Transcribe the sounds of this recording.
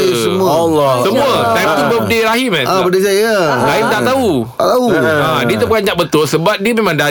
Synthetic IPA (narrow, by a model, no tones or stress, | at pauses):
səmu | lɔsəmũat̪ajt̪ubəbədeɾaɦimɛnabədes̬ajaɾaɦimt̪aʔt̪au | at̪auãdiət̪aʔpəkand͡ʒaʔbət̪ʊlsəbap̚diəmẽmãŋda